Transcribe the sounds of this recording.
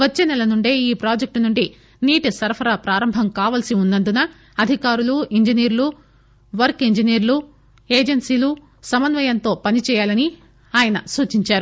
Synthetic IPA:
ʋɐt͡ʃːeːnɛlɐnuɳɖeːiːpɾaːd͡ʒek̚ʈnuɳɖi | niːʈisɐɾpʰɐɾaːpɾaːɾɐmbʱɐmkaːʋɐlsiunːɐnd̪unɐ | ɐd̪ʱikaːɾuluiɲd͡ʒiniːɾlu | ʋɐɾkiɲd͡ʒiniːɾlu | eːd͡ʒensiːlu | sɐmɐnʋɐjɐnt̪o̞ːpɐnit͡ʃɛːjaːlɐni | aːjɐnɐsuːt͡ʃiɲt͡ʃaːɾu

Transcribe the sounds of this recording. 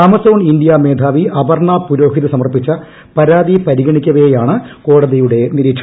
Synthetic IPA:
ɐmɐsoːɳind̪ijameːd̪ʱaːʋiʔɐbɐrɳaːpuɾo̞ːɦiðɨsɐmɐrpit͡ɕːɐ | pɐɾaːd̪ipɐɾiɣɐɳikʲːɐʋɐjejaːɳɨko̞ːɽɐðijuɽe̞niɾiːʈʂɐ

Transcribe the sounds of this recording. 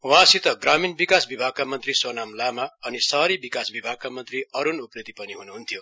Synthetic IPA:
wɦãsit̪ʌɡraminbikasbibʱaɡ̚kamʌnt̪riswʌnamlamaʌnisʌɾibikasbibʱaɡ̚kamʌnt̪riʌɾunupnit̪ipʌniɦunuɦunt̪ʰijo

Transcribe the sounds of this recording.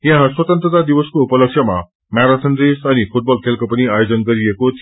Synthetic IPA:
jãɦãswɐt̪ənt̪ɾət̪ad̪iʋəskoupələksjəma̰ | maɾasʰənɾesɐnipʰuʈ̚bɔlkʰelkopəniaːjod͡zʌnɡʌɾiekot̪ʰ

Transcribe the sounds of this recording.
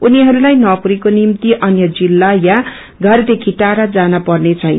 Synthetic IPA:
uniɦʌɾulajnʌpuɾikonimt̪iʔʌnjʌd͡zilːaja | ɡʱʌrd̪ekʰiʈaɾʌd͡zanapʌrnet͡sʰʌjn

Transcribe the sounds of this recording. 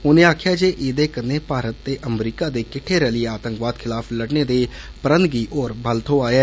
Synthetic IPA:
ɦʊnẽːaːkʰjaːd͡ʒeːʔeːd̪eːkənːeːpaːɾət̪ːeːʔəmɾiːkaːd̪eːkɪʈʰːeːɾəliːaːt̪əŋkʋaːd̪kʰɪlaːpʰləɽneːd̪eː | pəɾə̃nd̪̚ɡiːʔɔːɾbʱəlt̪ʰoːaːɛː

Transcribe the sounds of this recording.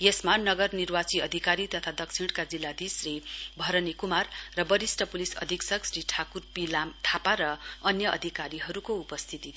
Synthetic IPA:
jesmanʌɡʌrnirwat͡siʌd̪ʱikaɾit̪ʌt̪ʰad̪ʌkt͡sʰiɽkad͡zilːad̪isribʱʌɾʌnikumarːʌbʌɾisʈʌpulisʌ̰d̪ʱiksʌksriʈʰakurpilamʈʰapaɾʌʌnjʌʔʌ̰d̪ʱikaɾiɦʌɾukoupʌst̪ʰit̪i

